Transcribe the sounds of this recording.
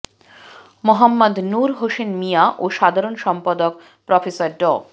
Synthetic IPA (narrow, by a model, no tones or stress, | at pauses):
moɦamːod̪nuɾɦoʃenmijaʔoʃad̪ʱaɾonʃɔmpad̪ok | pɾɔfesaɾɖɔ